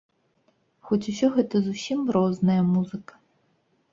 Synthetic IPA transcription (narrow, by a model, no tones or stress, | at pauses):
xɔt͡sʲusʲɔɦɛt̪ɐzusʲimɾɔznɐjɐmuzɨkɐ̥